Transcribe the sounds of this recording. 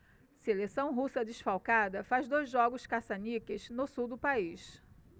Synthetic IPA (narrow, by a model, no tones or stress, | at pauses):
selesɐ̃w̃ɦusɐd͡ʒ̪ɪʃfawkad̪ɐfazd̪ojzʒɔɡʊʃkasanikɪʃnʊsuwd̪ʊpaiʃ